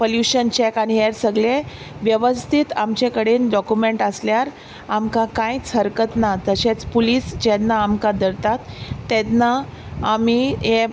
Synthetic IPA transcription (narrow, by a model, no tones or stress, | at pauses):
pəljuɕənt͡ɕekaniɦeɾsəɡle | ʋjəʋəst̪ʰit̪amt͡ɕekəɽeːnɖɔkumeɳʈəsljaɾ | amkakãjt͡sɦəɾkət̪nat̪əɕet͡spuliːsd͡ʑɛt̪nːaːmkad̪əɾt̪at̪ːet̪naːmiɦe